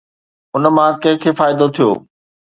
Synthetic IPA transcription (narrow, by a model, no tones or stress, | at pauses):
ʊnəmãkɐ̃ɦɪ̃kʰeːfaːɪd̪ot̪ʰijo̰ː